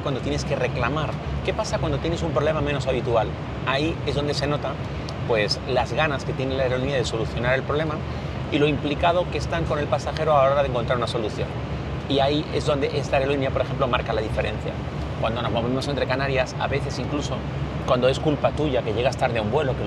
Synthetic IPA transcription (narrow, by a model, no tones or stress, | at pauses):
kwand̪o̞t̪je̞neske̞re̞klamaɾ | ke̞pasakwand̪o̞t̪jenesumpɾole̞mameno̞saβ̞it̪ual | aie̞zðo̞nd̪e̞se̞no̞t̪a | pwe̞slazɣanaske̞t̪je̞nelaeɾo̞niað̞e̞so̞luθjo̞naɾe̞lpɾole̞ma | ilo̞implikað̞o̞kest̪aŋko̞ne̞lpasaxe̞ɾoalaoɾaðeŋkont̪ɾaɾunaso̞luθjo̞̰n | iaiʔe̞zðo̞nd̪e̞ʔe̞zlaeɾeoiniapo̞ɾexe̞mplo̞maɾkalaðife̞ɾe̞n̟θja̰ | kwand̪o̞no̞zmo̞βemos̬e̞nt̪ɾe̞kanaɾjasa̰βe̞θe̞siŋkluso̞ | kwand̪o̞e̞skulpat̪uʝake̞ʝe̞ɣast̪aɾðeaumbwe̞lo̞ke